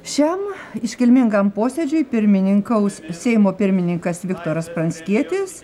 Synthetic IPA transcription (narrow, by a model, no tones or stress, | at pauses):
ʃʲɛm | ɪʃʲkʲɪlʲmʲɪŋɡɐmpoːsʲɛd͡ʒʲʊjɪpʲɪɾʲmʲɪnʲɪŋkɐʊssʲɛɪmoːpʲɪɾʲmʲɪnʲɪŋkɐsʋʲɪkt̪oːɾɐspɾɐnʲsʲkʲiɛt̪ʲɪs